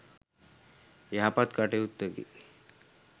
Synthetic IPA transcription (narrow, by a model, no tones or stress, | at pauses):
japat̪kaʈeut̪ːəɡḭ